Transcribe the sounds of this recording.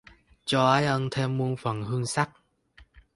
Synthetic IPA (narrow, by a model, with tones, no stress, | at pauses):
t͡ɕɔ˧ʔaː˧˦jʔə˧nt̪ʰe˧mːu˧ənfə˨˩nhɨ˧əŋsa˦˥k̚